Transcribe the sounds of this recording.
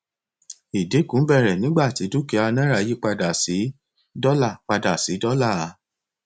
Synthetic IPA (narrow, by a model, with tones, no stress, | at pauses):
i˨de˨˦kũ˨˦bɛ˦˨ɾɛ˨nĩ˨˦ɡ͡ba˦˨ti˨˦du˦ke˧˦a˧nɛ̃˦ɾa˦˨ji˦k͡pa˧da˨si˨˦ | dɔ˦la˦˨k͡pa˧da˨si˨˦dɔ˦la˦˨˦